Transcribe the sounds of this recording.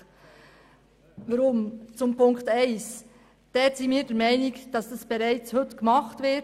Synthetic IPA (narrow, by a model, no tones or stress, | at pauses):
vɑɾʊmt͡sʊmpʊŋktæɪs | d̥ɛːɾsiːmiːɾdɛɾmaɪnɪkd̥ɑsd̥ɑsb̥eɾaɪt͡shɵtkmɑχtvɪ